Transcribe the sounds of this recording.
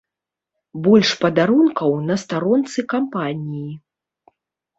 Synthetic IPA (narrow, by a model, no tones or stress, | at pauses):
bɔlʲʂpɐd̪aɾunkɐwnɐst̪aɾɔnt̪sɨkampanʲiji